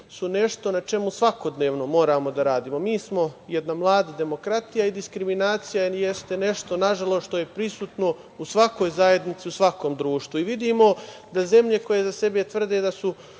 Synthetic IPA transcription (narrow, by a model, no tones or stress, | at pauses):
sune̞ʃt̪o̞nat͡ʃe̞musʋako̞d̪ne̞ːʋno̞mo̞ːɾamo̞d̪aɾaːd̪iːmo̞miːsmo̞je̞d̪namlˠaːd̪id̪e̞mo̞kɾat̪ijaid̪iskɾiminaːt̪sijajest̪e̞ne̞ʃt̪o̞naʒalˠoʃt̪o̞je̞pɾisuːt̪no̞ | usʋako̞jzaje̞d̪nit̪siusʋako̞ːmd̪ɾuːʃt̪ʋuiʋid̪iːmo̞d̪aze̞mʎe̞ko̞je̞zase̞be̞t̪ʋr̩d̪eːd̪asu